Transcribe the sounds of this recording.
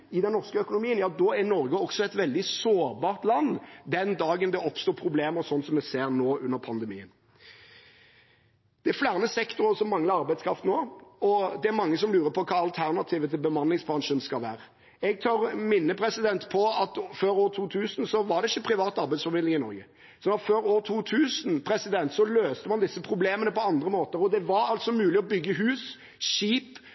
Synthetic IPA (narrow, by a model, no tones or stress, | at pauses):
ɪd̪ɛnːɔʁskəœkʊnʊmiːənjɑːd̪ɔænɔɾɡəɔksɔɛt̪ʋɛld̪ɪsoːɾbɑːɾt̪lɑnːd̪ɛnd̪ɑːɡənd̪ɛɔpst̪uːpʰɾʊbleːməɾsɔnːsɔmːɛseːɾnoːʔʉnːəɾpʰɑnd̪ɛmḭːə̰n | d̪̥ɛflæːʁnəsɛkt̪ʊɾəsɔmːɑŋləɑɾbæɪskʰɾɑft̪noːɔd̪ɛæɾmɑŋːəsɔmlʉːɾəpʰɔkʰɑːɑlt̪ʰæʁnɑt̪ʰiːʋət̪ʰɪlbəmɑnlɪŋsbɾɑŋʂənskɑlʋæ̰ːɾə | ɛɡ̚t̪ʰɑɾmɪnːəpʰɾɛsɪd̪ɛnt̪pʰɔɑt̪føːɾoːt̪ʰuːt̪ʰʉːsnsɔʋɑɖ̪ɛɪçːəpʰɾɪʋɑːt̪ɑɾbæɪsfɔɾmɪd̪lɪŋɪnɔ̰ɾɡə | sɔnɑt̪føːɾoːt̪ʰuːt̪ʰʉːsənpʰɾɛsɪd̪ɛnt̪sɔløːst̪əmɑnd̪ɪsːəpʰɾʊbleːmənəpɔɑnd̪ɾəmoːt̪əɾɔd̪ɛʋɑɾɑlt̪sɔmʉːlɪɔbʏɡːəɦʉːs | ʃiːp